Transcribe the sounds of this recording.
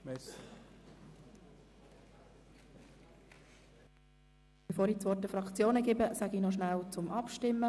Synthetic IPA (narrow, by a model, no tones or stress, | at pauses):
mɛs | b̥əfoːɾit͡sʋɔːɾtəfɾɑkt͡sjoːnəɡɪbəsæɡinɔʃnæwt͡sʊmʔɑpʃtɪmːə